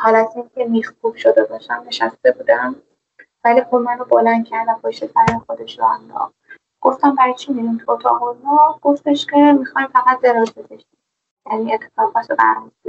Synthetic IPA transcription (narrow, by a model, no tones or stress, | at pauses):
hɒːlæt̪ʰinkʲʰemixpʰubʃod̪ebɒʃt̪æmne̞ʃæst̪e̞buːd̪æm | vælipoɾmænobolænd̪̚cʰæɾd̪æmpʰɒːʃt̪esæɾimexo̞d̪e̞ʃɾɔænd̪ɒ̰χ | ɡ̥o̞ft̪æmbæɾɒjt͡ʃʰimiɾimt̪ʰot̪ʰɒ̰ʁolmɒɡ̥o̞ft̪e̞ʃcʲʰe̞mixɒjmfæɣæt̪̚d̪e̞ɾɒːzbezeʃim | jæniːe̞t̪ʰːefɒːɣbɒtsebæ̰ɾmusbi